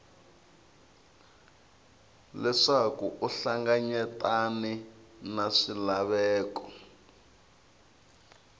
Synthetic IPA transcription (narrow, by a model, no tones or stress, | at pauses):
lɛʂakuʔuɬaŋɡaɲɛtaninaʂilaβɛːkɔ